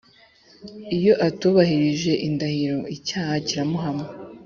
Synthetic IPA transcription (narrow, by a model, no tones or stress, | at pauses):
ijo̞ʔatuβahiɾiʒe̞ʔindahiɾoʔicahaciɾamoɦamŋe